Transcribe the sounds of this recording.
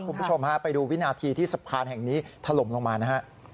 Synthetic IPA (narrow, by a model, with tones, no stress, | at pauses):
kʰu˧mpu˦˥t͡ɕʰo˧mha˦˥pa˧jduː˧wi˦˥naː˧t̪ʰiː˧t̪ʰiː˥˩sa˨˩pʰaː˧nɦɛ˨˩ŋniː˦˥t̪ʰa˧lo˨˩˦mlo˧ŋmaː˧na˦˥ɦa˦˥ʔ